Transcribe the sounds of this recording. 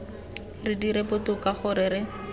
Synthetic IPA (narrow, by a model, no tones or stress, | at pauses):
rɪdiɾebʊtʊkaχʊɾɪːɾɪ